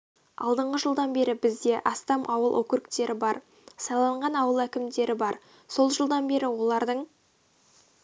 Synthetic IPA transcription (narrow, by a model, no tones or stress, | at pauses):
ɑ̰lˠd̪əɴʁəʒəlˠd̪ɑnbe̞ɾɪbɪzd̪e̞ʔɑst̪ɑmʔɑwəlˠʔɵkʲɪɾɪkt̪e̞ɾʔɪbɑɾ | sɑlˠɑɴʁɑnɑwəlˠækʲɪmd̪e̞ɾʔɪbɑɾ | so̞lˠʒəlˠd̪ɑnbe̞ɾɪwo̞lˠɑɾd̪əɴ